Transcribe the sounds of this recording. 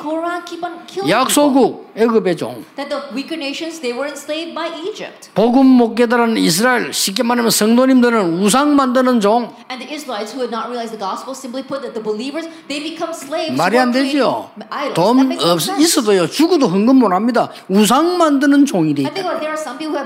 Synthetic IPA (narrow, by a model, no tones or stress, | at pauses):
kʰoɹãnkʰipnkʰɪljak̚s͈ʰoɡuk̚eɡɯbet͡ɕo̰ŋðɨt̪̚ðəwikədneɪʃɨ̃nzðeɪwə˞ɪ̃nsleɪvbaɪʔid͡ʒɪ̰p̚t̚poɡɯmːok̚k̬͈edaɾannis̬ʰɯɾaeɭɕʰik̬͈emanamjʌnsʰʌŋdoɲimdɯɾɯnus̬ʰaŋmandɯnɯnd͡ʑoŋ | ɨ̃nðiɪsɹəlaɪtshuɨdⁿnət̚ɹiəlaɪzðəɡɔspl̩ˠsɪ̃mplipʰʊt̪̚ðɨt̪̚ðəbəlivə˞z | ðeɪbɨkʰʌ̃msleɪvmaɾɦand̪eot̪omsis͈ʌdojot͡ɕuɡud̪oɦɯŋɡɯmmonɦamɲida | us̬ʰaŋmandɯnɯnt͡ɕoŋideiθɪ̃ŋklaðə˞sʌ̃mpipl̩ˠhu